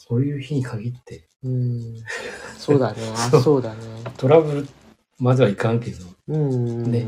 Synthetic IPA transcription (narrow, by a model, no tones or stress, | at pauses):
so̞ːjɯ̟ːçiɲ̟ikʰaɡʲit̪ːe̞ | ɯ̃ | soːd̪anesosoːd̪anet̪ʰo̞ɾabɯ̟ɾɯ̟ | mazɨβaikãŋke̞d̪o̞ɯ̃ne̞